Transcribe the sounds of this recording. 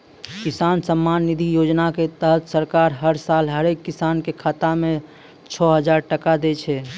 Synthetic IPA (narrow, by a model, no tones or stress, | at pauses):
kisansəmːaːnːid̪ʱijod͡ʒnaket̪əɦət̪səɾkaːɾɦəɾsalɦəɾekːisankekʰaːt̪amẽ | t͡ʃʰɔɦəd͡ʒaːɾʈəkad̪et͡ʃʰɛ